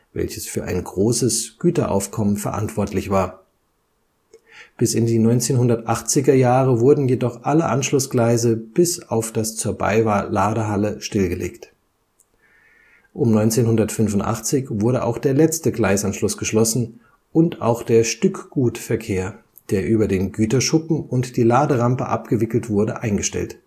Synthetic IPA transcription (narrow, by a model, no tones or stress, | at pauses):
vɛ̰lçəsfyːɐʔa̰ɪnɡʁoːsəsɡ̥yːtɐʔa̰ʊfkʰɔmənfɛɐʔa̰ntv̥ɔɐtʰlɪçv̥aːɐ | b̥ɪsɪndiːnɔʏnt͡seːnɦʊndɐtʔaχt͡sɪɡɐjaːʁəvʊɐdn̩jedɔχʔaləʔanʃlʊsɡ̥laɪzəb̥ɪsaʊfd̥ast͡suːɐba̰ɪvalaːɾəɦaləʃtɪlɡəlʔḛːkt | ʔʊmnɔʏnt͡seːnhʊndɐtfʏnvʊntʔa̰χt͡sɪçv̥ʊɐɾəʔa̰ʊxd̥eːɐlɛt͡stəɡlaɪsanʃlʊsɡ̥əʃlɔsn̩ | ʔʊnta̰ʊxd̥eːɐʃtʏkɡ̥uːtfɛɐkʰeːɐ | d̥eːɐʔyːbɐdeːnɡyːtɐʃʊpm̩ʊntd̥iːlaːdəʁampəʔa̰pɡ̥əvɪkl̩tv̥ʊɐdəʔaɪnɡəʃtɛ̰lt